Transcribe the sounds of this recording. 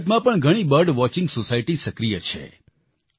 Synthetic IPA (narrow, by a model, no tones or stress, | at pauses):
t̪mãpəɳɡʱəɽ̃ibəɾɖʋɔt͡ʃɪ̃ŋɡsosaiʈisəkɾijət͡ʃʰḛ